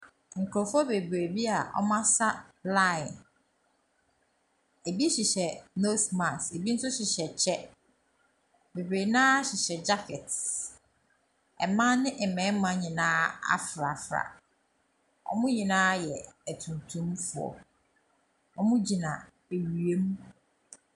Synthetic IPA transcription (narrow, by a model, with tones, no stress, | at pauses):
ŋ̩˨kʰu˨ɾɔ˨fʊ˦ɔ˦be˨bɾe˨bi˦a˨ʔɔ̰˦mã˦sa˦la˦˨ɪ˨n | e˨bi˦ɕɪ˨ɕɛ˨no˦smã˨se˨bi˦n̩˦sʊ˦ɕɪ˨ɕɛ˨t͡ɕʰɛ˦ | be˨bɾe˨nãː˦ɕɪ˨ɕɛ˨d͡ʑa˦fɛ˨t | ɛ̰˨mã˦nɪ̃˦ʔɛ˨mɛ̃˨˦mã˦ɲɪ̃˨nãː˦a̰˦fɾa˨fɾa̰˨ | ɔ̰˦mʊ̃˦ɲĩ˨nãː˦jɛ˨æ˨tʰũ˨n˨tʰũ˦mfʊ˨ɔ̰˨ | ɔ˦mʊ̃˦d͡ʑi˨nã˨ | e˨ɥɥe˦m˦